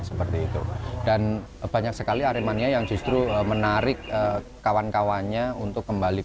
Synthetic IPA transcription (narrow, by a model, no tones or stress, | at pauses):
səpərt̪iːt̪ṵd̥an | b̥aɲaksəkaliaɾemaniajaŋd͡ʒust̪ɾuəmənaɾɪk̚əː | awankawanɲaunt̪ʊkːəmbali